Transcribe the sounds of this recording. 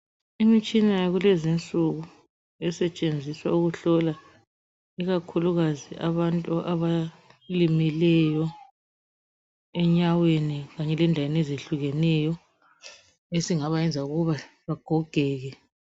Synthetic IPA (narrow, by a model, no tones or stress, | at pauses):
imit͡ʃʼinajaɣulɛzint͡sʼuɣu | ɛsɛt͡ʃʼend͡zʱiswa̰uɣuɬɔla | iɣakʰuluɣaziʔaβantʼuʔaβa | limilɛjɔ | ɛɲaweniɣaɲɛlɛndʱawenezeɬuɣɛnɛjɔ | esiŋaβajɛnd͡zʱauɣuβa | βaɡ̥ʱɔɡ̥ʱɛːɣɛ